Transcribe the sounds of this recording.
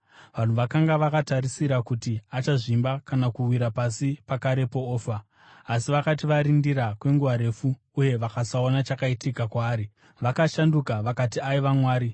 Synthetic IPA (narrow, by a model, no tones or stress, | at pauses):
ʋan̤uʋakaŋɡaʋakataɾisiɾakutiat͡ʃaʐimbakanakuwiɾapasipakaɾe̞po̞oːfaː | siʋakat̬iʋaɾindiɾakwe̞ŋɡuʋaɾe̞fuː | je̞ʋakasao̞nat͡ʃakaitikakwaːɾi | ʋakaʃandukaʋakatiaiʋamwaːɾi